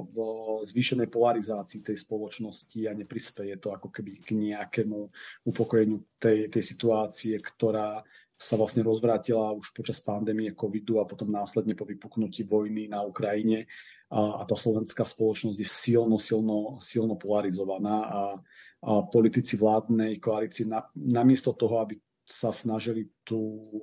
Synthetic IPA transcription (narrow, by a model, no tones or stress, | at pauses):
vzʋiːʃɛnɛjpɔlaɾizaːt͡siːt̪ɛjspɔlɔt͡ʃnɔsciaɲɛpɾispɛjɛt̪ɔakɔkɛbiɡɲɛakɛmuupɔkɔjɛɲɪut̪ɛjt̪ɛjsit̪uaːt͡siɛkt̪ɔɾaː | saʋlasɲɛɾɔzʋɾaːcilauʃpɔt͡ʃaspand̪ɛːmiɛkɔʋid̪uapɔt̪ɔmnaːslɛd̪ɲɛpɔʋipuknuciʋɔjninaukɾajiɲɛ | at̪aːslɔʋɛnskaːspɔlɔt͡ʃnɔzɟjɛsilnɔsilnɔsilnɔpɔlaɾizɔʋanaːʔa | pɔlit̪it͡siʋlaːd̪nɛjkɔalit͡siɛnanamɪɛst̪ɔt̪ɔɦɔabi | sasnaʒilit̪uː